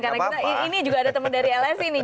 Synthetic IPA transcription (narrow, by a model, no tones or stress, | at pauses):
karait̪aiinid͡ʒuɡaːdat̪əməndaɾiɛlɛsini